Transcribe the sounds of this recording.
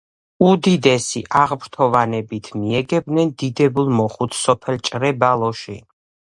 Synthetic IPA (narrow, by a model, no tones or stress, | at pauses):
ud̪id̪ɛsiʔaʁbɾt̪ʰɔvanɛbit̪ʰmiɛɡɛb̪̚nɛnd̪id̪ɛbulˠmɔχut̪ʰsɔpʰɛlt͡ʃʼɾɛbalˠɔʃḭ